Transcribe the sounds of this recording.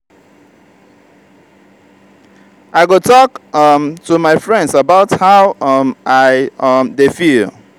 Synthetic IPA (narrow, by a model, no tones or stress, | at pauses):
ʔaɪɡotɔkʌmtʰumaɪfɹɛ̃ndsabaʊthaʊʌmʔaɪʌmdefil